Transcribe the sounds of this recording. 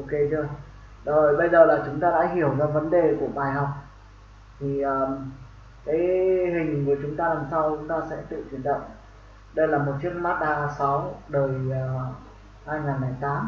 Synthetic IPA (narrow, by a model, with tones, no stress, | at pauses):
ʔo˧ke˨˧t͡ɕo˧j | ɗo˨˦o˨˩jɓə˧jzəː˨˩laː˨˩t͡ɕʊ˨˦ŋ͡mt̪aː˧ɗa̰ː˧˥ɦi˧˩əwzɔː˧və˨˦nɗe˨˩ku˧˩əɓaː˨˩jɦa˨˩wk͡p̚ | t̪ʰi˨˩ʔəː˨˩ | kaː˨˦jhï˨˩ŋ̟˨ku˧˩ət͡ɕʊ˨˦ŋ͡mt̪aː˧laː˨˩msa˧wt͡ɕʊ˨˦ŋ͡mt̪aː˧sɛ̰˧˥t̪ɨ̰˧˨t͡ɕwi˧˩ənɗə̰˧˨wŋ͡m | ɗə˧jlaː˨˩mo˨˩t̚t͡ɕɨ˦˥ək̚maː˦˥t̚ʔaː˧sa˨˦wɗəː˨˩j | haː˧jŋaː˨˩nla˧˩jt̪aː˨˦m